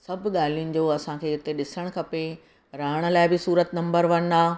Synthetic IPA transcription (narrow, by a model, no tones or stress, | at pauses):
sɐbʱɠaːl̤ijʊnɪ̆d͡ʑoːɐsãkʰeːɪt̪eɗɪsəɽ̃kʰɐpe | ɾaːɪɽ̃ə̆laːɪbɪsuːɾət̪nɐ̃mbəɾʋɐñd̪aː